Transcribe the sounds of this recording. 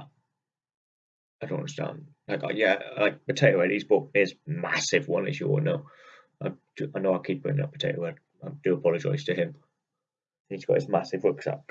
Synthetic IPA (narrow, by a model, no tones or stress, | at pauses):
aɪdõʊnʌ̃ndəstã̰ndlaɪka̰jæaɪk̚pətʰeɪʔəwɛdizbɔˑʔ̚mɪzmasɪvwʌ̃nɪ̰z̥jə̰noʊ | ʔaɪd̥aɪnoʊaɪkʰiˑp̚b̥ʊɪ̃ŋə̰pʰətʰeɪʔəwɛd | aɪd̥əəpʰɒləd͡ʒa̰ɪz̥tʰəɪ̃m | hizɡ̥ɔ̰ʔɪzmasɪvɹʊksa̰p̚